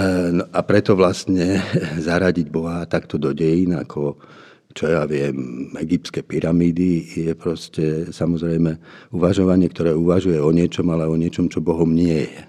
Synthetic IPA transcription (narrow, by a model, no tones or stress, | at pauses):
nɔʔapɾɛt̪ɔʋlast̪ɲɛzaɾaɟiɟbɔɦat̪akt̪ɔd̪ɔɟɛjina̰kʰɔ | t͡ʃɔjaʋɪɛmɛɡip̚tskɛpiɾamiːd̪ijɛpɾɔscɛsamɔzɾɛjmɛuʋaʒɔʋaɲɪɛkt̪ɔɾɛːuʋaʒujɛɔɲɪɛt͡ʃɔmalɛɔɲɪɛt͡ʃɔmt͡ʃɔbɔɦɔmɲɪɛjɛ